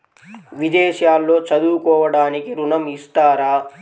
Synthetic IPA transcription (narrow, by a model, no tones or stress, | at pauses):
ʋid̪ɛːʃjaːlːo̞ːt͡ʃɐd̪uːkɔːʋɐɽaːnikiɾunɐmist̪aːɾaː